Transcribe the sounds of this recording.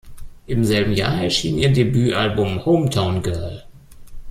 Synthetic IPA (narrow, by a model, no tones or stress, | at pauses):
ʔɪmzɛlbm̩ja̰ːɐɛɐʃiːniːɐdebyːʔalbʊmhoʊmtʰaʊ̃nɡɜɐl